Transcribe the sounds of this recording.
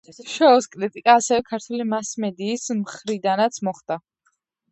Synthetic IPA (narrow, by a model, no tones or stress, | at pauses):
ʃɔːskʼɾit̪ʼikʼaːsɛvɛkʰaɾt̪ʰwɛlimasmɛd̪iːsmχɾid̪anat̪sʰmɔχd̪̥a